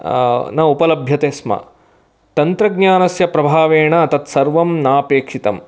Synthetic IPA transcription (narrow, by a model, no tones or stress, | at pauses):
nɐupɐlɐbʱjɐt̪eːsmɐ̰ | t̪ɐnt̪ɾɐɡɲjaːnɐsjɐpɾɐbʱaːʋeːɳɐːt̪ɐt̪sɐɾʋɐmnaːpeːkʂit̪ɐm